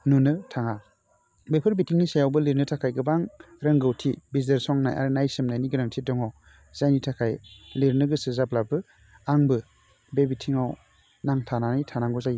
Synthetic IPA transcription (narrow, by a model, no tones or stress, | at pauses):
nunɯtʰaŋa | bepʰɯɾbitʰiŋnisajawbɯliɾnɯtʰakʰajɡɯbaŋ | ɾɐŋɡɯwtʰibizeɾsɔŋnajʔa̰ɾnajsɯmnajniɡɯɾaŋtʰidɔŋaw | z̥ajnitʰakʰajliɾnɯɡɯsɯzap̚labɯ | aŋbɯ | bebitʰiŋaw | naŋtʰananijtʰanaŋɡɔzaj